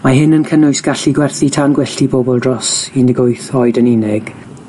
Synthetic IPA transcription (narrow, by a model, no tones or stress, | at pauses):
maɦɪnənkʰənʊjsɡ̥aɬiɡwɛrθitʰanɡwɛɬtibobɔlˠdrɔsindɪɡʊjθɔɨdəninɪɡ̥